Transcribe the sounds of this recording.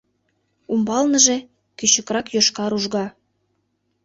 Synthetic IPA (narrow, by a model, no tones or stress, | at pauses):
umbɑlnəʒe | kyɕə̆krɑkjoʃkɑɾuʒɣɑ